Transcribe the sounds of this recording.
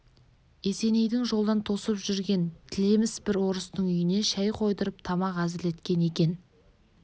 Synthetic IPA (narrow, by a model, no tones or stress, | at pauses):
e̞se̞ne̞jd̪ɪŋʒo̞lˠd̪ɑnt̪ʰo̞səpʒʏɾɡʲe̞nt̪ʰɪle̞mɪsbɪɾwo̞ɾəst̪əɴʏjɪne̞ʃæjqʰo̞jd̪əɾəp̚t̪ʰɑmɑqæzɪle̞t̪kʲe̞ne̞kʲe̞n